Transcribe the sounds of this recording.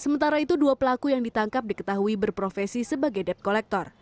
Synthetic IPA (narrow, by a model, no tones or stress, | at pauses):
səmənt̪aɾait̪uduapəlakujaŋdit̪aŋkap̚dikə̥t̪aɦuibərpɾofɛsisəbaɡajdɛp̚kolɛk̚t̪ɔr